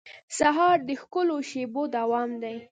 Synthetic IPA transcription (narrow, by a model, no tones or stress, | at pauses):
saɦɑɾd̪əxkəloʃebod̪awɑmd̪aj